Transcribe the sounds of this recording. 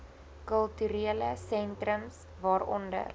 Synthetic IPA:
kəlˠtyɾiələsɛntrəms | vɑːɾɔndə̰r

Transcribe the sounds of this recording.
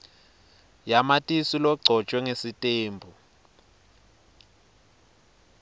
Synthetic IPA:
jamatʼisilɔɡ͡ǀʱɔt͡ʃʼwɛŋesitʼeːmbʱu

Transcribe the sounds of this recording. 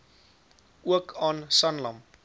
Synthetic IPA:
uəkʰɑːnsɐnlɐmp

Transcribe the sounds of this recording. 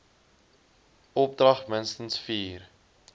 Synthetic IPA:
ɔp̚drɐχmənstənsfiːr

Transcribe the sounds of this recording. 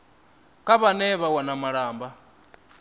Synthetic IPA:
kʼaβanɛβawanamaɺaːmba

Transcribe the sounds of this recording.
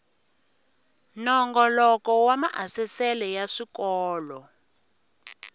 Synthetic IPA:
nɔŋɡɔlɔkɔwamaʔasɛsɛlɛjaʂikɔːlɔ

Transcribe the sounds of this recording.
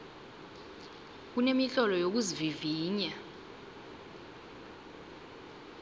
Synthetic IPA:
k̬unemiɬɔlɔjok̬uziviviːɲa

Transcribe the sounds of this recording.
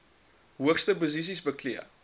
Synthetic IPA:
ɦuəχstəpozis̬isbəkliə

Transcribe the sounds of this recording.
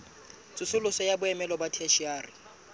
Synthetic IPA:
t͡sʼʊsʊlʊsɔjabʊɛmɛlɔbatʰɛʃiaːrɪ

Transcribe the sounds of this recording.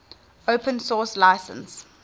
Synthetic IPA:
oʊpə̃nsɔːslaɪsə̰̃ns

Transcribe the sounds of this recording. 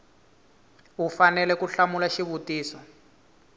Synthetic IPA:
ufanɛlɛkuɬamulaʃiβutiːsɔ

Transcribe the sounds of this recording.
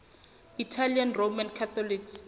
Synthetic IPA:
itʰalianromankʰat̪ʰɔliks

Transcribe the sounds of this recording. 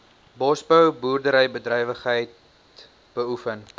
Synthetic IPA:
bɔsbəwbuːrdəɾəjbədrɛjvəχɦəjt | b̥əufən

